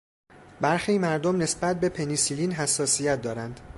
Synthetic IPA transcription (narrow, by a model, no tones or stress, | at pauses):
bæɾxiːmæɾd̪omne̞sbæt̪̚be̞pʰe̞nisiliːnɦæsːɒːsijæt̪̚d̪ɒːɾænd̪̥